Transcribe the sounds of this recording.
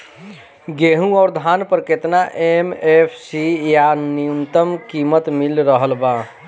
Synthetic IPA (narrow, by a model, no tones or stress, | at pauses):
ɡeɦũɔːɾd̪ʱaːnpəɾket̪naʔemepʰsijaniunt̪əmkimət̪mɪlɾəɦəlba